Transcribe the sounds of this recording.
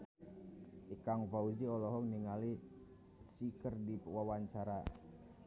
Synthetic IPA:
ʔikaŋvauziɔlɔɦɔŋniŋali | sikərdiwawaɲt͡ʃaɾa

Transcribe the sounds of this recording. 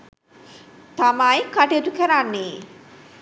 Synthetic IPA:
t̪amajkaʈet̪ukʰeɾaɾne

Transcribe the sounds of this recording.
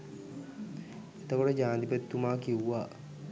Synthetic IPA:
et̪əkoʈəd͡ʒaːnd̪ipət̪ːumaːkiwʋaː

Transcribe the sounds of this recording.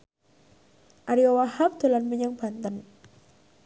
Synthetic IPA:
ʔaɾiɔwahap̚d̪̥o̤lanməɲaŋb̥ant̪ən

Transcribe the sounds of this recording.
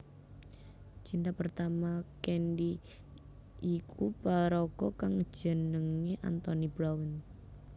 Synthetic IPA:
t͡ʃint̪apərt̪amakɛnɖi | ikʰupaɾɔɡ̥ɔkaŋ̥d͡ʒ̥ə̤nəŋeʔa̰nt̪ɔnibɾawən

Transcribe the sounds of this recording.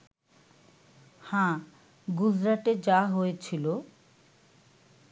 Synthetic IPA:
hã | ɡud͡ʑɾaʈed͡ʑaɦoet͡ɕʰilo

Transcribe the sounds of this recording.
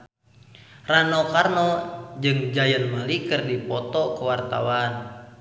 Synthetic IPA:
ranɔkarnɔd͡ʒɨŋd͡ʒajənməlikɨrdipɔt̪ɔkəwart̪a̰wan

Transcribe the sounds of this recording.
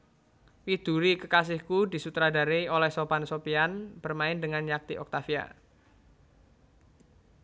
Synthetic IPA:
wid̪̥uɾikəkas̬ɪhkudi̤sut̪ɾada̤ɾeiolɛhsobansopianb̥ərmaɪndəŋanɲak̚t̪iʔɔ̰k̚t̪afia̰

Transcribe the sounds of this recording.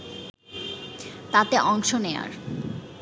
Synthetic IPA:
t̪at̪eʔɔŋʃonea̰ɾ

